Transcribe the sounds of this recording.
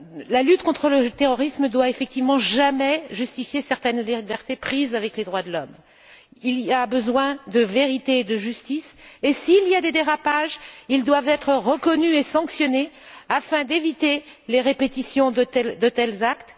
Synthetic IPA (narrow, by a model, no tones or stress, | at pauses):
lalyt̪kɔ̃t̪χələt̪eʁɔʁisməd̪waefɛk̚t̪ivmɑ̃ʒamɛʒyst̪ifjesɛʁt̪ɛnlibɛʁt̪epχizavɛkled̪ʁwad̪əlɔm | iliabəzwɛ̃d̪əveʁit̪eːd̪əʒyst̪isesiːlijad̪ed̪eʁapaʒild̪wavɛt̪χəʁəkɔnyesɑ̃ksjɔne | afɛ̃d̪evit̪eleʁepet̪isjɔ̃ɛd̪ət̪ɛlzakt̪